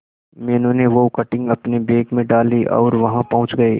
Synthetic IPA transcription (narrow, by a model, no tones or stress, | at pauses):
mɛːnõneʋokɐʈɪ̃ŋɡɐpnebeːkmẽɖaːliʔɔ̰ːɾʋɐɦãpɐɦʊ̃t͡ʃɡɐeː